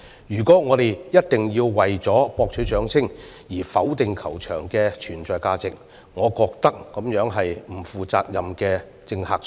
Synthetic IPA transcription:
jyː˨˩kɔː˨˥ŋɔː˨˧t̪e˨jjɐ˥t̚t̪ɪ˨ŋjiː˧wwɐ˨jt͡sɔː˨˥pɔː˧k̚t͡ʃʰy˨˥t͡ʃœː˨˥ŋt͡sʰɪ˥ŋjiː˨˩fɐ˨˥wt̪ɪ˨ŋkʰɐ˨˩wt͡ʃʰœː˨˩ŋkɛː˧t͡ʃʰyː˨˩nt͡sɔː˨˧jkaː˧t͡sɪ˨k̚ | ŋɔː˨˧kɔː˧k̚t̪ɐ˥k̚ːɐ˨˥mjœː˨˥ŋɦɐ˨jm̩˨˩fuː˨t͡saː˧k̚jɐ˨mkɛː˧ | t͡sɪ˧ŋhaː˧k̚

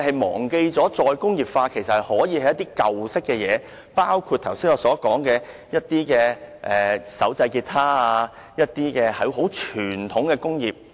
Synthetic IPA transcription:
hɐ˨jmɔ̰ː˨˩ŋke˧jt͡sɔː˨˥t͡sɔː˨˧jkʊ˥ŋjiː˨p̚faː˧kʰe˨˩jsɐ˨thɐ˨˩jhɔː˨˥jiː˨˧hɐ˨˧jɐ˥t̪iː˥kɐ˨wsɪ˥kːɛː˧jɛː˨˧ | paː˥wkʰuː˧t̚t̪ʰɐ˨˩wsiː˥ŋɔː˨˧sɔː˨˥kɔː˨˥ŋkɛː˧ | jɐ˥t̚t̪iː˥kɛː˧ʔɛː˨sɐ˨˥wt͡sɐ˧jkiː˧t̚t̪ʰaː˥aa˧ | jɐ˥t̚t̪iː˥kɛː˧hɐ˨˥ɦo˨˥wt͡ʃʰyː˨˩nt̪ʰʊ˨˥ŋkɛː˧kʊ˥ŋjiː˨p̚

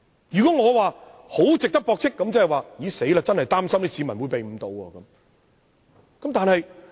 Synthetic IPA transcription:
jyː˨kɔ˨˦˥ŋɔː˨˧waː˨ | ho˨˥wt͡sɪ˨k̚t̪ɐ˥k̚pɔː˧k̚t͡sʰɪ˥kːɐ˨˥mt͡sɐ˥ɦɐ˨˩waː˨˧jiː˨˥se˨˥jaː˧t͡sɐ˥nhɐ˨jt̪aː˥msɐ˥mniː˥si˨˧mɐ˨˩nwuː˨˧jpe˨jm̩˨˧˦t̪o˨˧wɐ̰ː˧kɐ˨˦m | kɐ˨˦mt̪aː˨nhɐ˨j

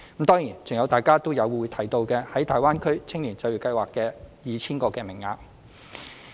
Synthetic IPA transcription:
m̩˨˥t̪ɔː˥ŋjiː˨˩nt͡sʊ˨ŋjɐ˨˧wt̪aː˨˩jkaː˥t̪o˥wjɐ˨˧wu˨˧jt̪ʰɐ˨˩jt̪o˧wkɛː˧hɐ˨˥jt̪ʰaː˨˩jwaː˥nkʰɵ˥ɥt͡sʰɪ˥ŋliː˨˩t͡sɐ˧jɥy˨˩kɐ˧jwaː˨˩kːɛː˧jiː˨˧t͡sʰiː˥nkɔː˧kɛː˧mɪ˨˩ŋːaː˧p̚

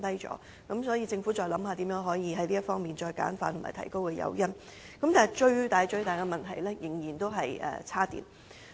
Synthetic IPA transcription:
t̪ɐ˥jt͡ʃɔ̰ː˨˥ | kɐ˨˥msɔː˨˥jiː˧t͡sɪ˧ŋfu˨˥t͡sɔː˧jlɐ˨˥mɦaː˧t̪i˨˥jœː˨˥ŋɦɔː˨˥jiː˨˧ɦɐ˨˥jliː˥ɐ˥tfɔː˥ŋmiː˨˩nt͡ʃɔː˧jka̰ː˨˥nfa̰ː˧nt̪ʰʊ˨˩maː˨˩t̪ʰɐ̰˨˩jko˥wkɛː˧jɐ̰˨˥wjɐ˥n | kɐ˨˥mt̪aː˨˩˨jt͡ʃɵ˧ɥt̪aː˨jt͡ʃɵ˧ɥt̪aː˨jkɛ˧mɐ˨˩nt̪ʰɐ˨˩jlɛ˥jɪ˨˩ŋjiː˨˩nt̪o˥wɦɐ˨jʔɛ̰ː˨t͡sʰaː˥t̪ḭː˨n

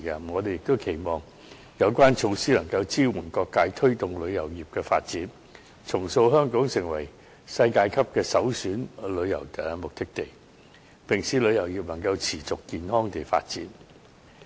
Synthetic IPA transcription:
kɐ˧m˩ŋɔː˨˧t̪e˨jɪ˨˩k̚t̪o˥wkʰe˨˩jmɔː˨ŋ | jɐ˨˧wkʷaː˥nt͡ʃʰo˧wsiː˥lɐ˨˩ŋkɐ˧wt͡siː˥wuː˨˩nkɔː˧kːaː˧jt̪ʰɵ˥ɥt̪ʊ˨ŋlɵ˨˧ɥjɐ˨˩wjiː˨p̚kɛː˧fa̰ː˧t̚t͡siː˨˥n | t͡sʰʊ˨˩ŋso˧wɦœː˥ŋkɔː˨˥ŋsɪ˨˩ŋwɐ˨˩j | sɐ˧jkaː˧jkʰɐ˥p̚kɛː˧sɐ˨˥wsyː˨˥nlɵ˨˧ɥjɐ̰˨˩wt̪ːmʊ˨k̚t̪ɪ˥k̚t̪e˨˩j | pɪ˨ŋsiː˨˥lɵ˨˧jɐ˨˩wjiː˨p̚lɐ˨˩ŋkɐ˧wt͡sʰiː˨˩t͡sʊ˨kːiː˨˧nɦɔː˥ŋt̪e˨jfa̰ː˧t̚t͡siː˨˥n

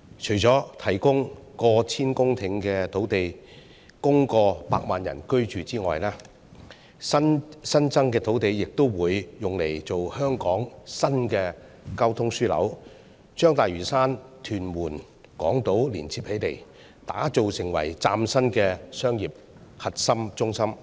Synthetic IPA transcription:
t͡ʃʰɵ˨˩jt͡sɔː˨˥t̪ʰɐ˨˩jkʊ˥ŋkɔː˧t͡sʰiː˥nkʊ˥ŋt̪ʰɪ˨˥ŋkɛː˧t̪ʰo˨˥wt̪e˨j | kʊ˥ŋkɔː˧pa̰ː˧k̚maː˨njɐ̰˨˩nkɵ˥ɥt͡ʃyː˨t͡siː˥ŋɔː˨jlaː˥ | sɐ˥nsɐ˥nt͡sɐ˥ŋkɛː˧t̪ʰo˨˥wt̪e˨jːɪ˨k̚t̪o˥wwuː˨˧˥jːʊ˨ŋle˨˩jt͡so˨whœː˥ŋkɔː˨˥ŋsɐ˥nkɛː˧ | kɐ˥wt̪ʰʊ˥ŋsyː˥lɐ̰˨˥w | t͡ʃœː˥ŋt̪aː˨˩jɥyː˨˩saː˥nt̪ʰyː˨˩nmwuː˨˩n | kɔ̰ː˨˥ŋt̪o˨˥wliː˨˩nt͡sʰiː˧˩p̚he˨˥jt̪e˨˩j | t̪a̰ː˨˥t͡so˨wsɪ˨˩ŋwɐ̰˨˩jt͡saː˧msɐ˥nkɛː˧sœː˥ŋjiː˨p̚ | hɐ˨t̚sɐ˥mt͡ʃʊ˥ŋsɐ˥m

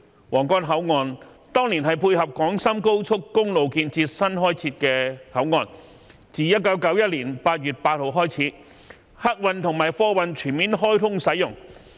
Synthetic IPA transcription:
wɔː˨˩ŋkɔː˥nɦɐ˨˥wŋɔː˧n | t̪ɔː˥ŋli˨˩nɦɐ˨jpʰuː˧jhɐ˨p̚kɔː˨˥ŋsɐ˥mko˥wt͡sʰʊ˥kːʊ˥ŋlo˨wkiː˧nt͡siː˧t̚sɐ˥nɦɔː˥jt͡sʰiː˧t̚kɛː˧hɐ˨˥wŋɔː˨˧n | t͡siː˨jɐ˥t̚kɐ˨˥wkɐ˨˥wjɐ˥t̚liː˨˩npaː˧t̚jyː˨t̚paː˧t̚ho˨˧wɦɔː˥jt͡sʰiː˨˥ | hɐ˥k̚wɐ˧nt̪ʰʊ˨˩ŋmaː˨˩jfɔː˥wɐ˨˧nt͡ʃʰyː˨˩nmiː˨˥nɦɔː˥jt̪ʰʊ˥ŋsɐ˨˥jʊ˨˩ŋ

